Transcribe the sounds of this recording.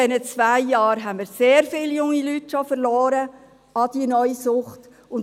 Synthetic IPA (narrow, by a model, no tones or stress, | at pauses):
ɛnət͡sʋæɪjɑːɾɦɛnmiɾseːɾfɪljʊŋːilytʃofəɾlɔːɾə | ɑd̥iənœʏisʊχt | ʊn